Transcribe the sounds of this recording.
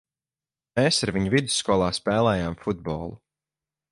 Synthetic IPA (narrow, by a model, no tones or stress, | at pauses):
meːsaɾviɲuvid̪u̥sːkɔːlˠaːspɛːlˠɛːjaːmfud̪bɔ̰ːlˠu